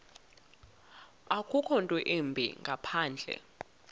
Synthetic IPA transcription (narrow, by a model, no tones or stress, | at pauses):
akʰʼukʰɔntʼwɛʔembʱḭŋɡʱapʰaːnd͡ɮʱɛ̰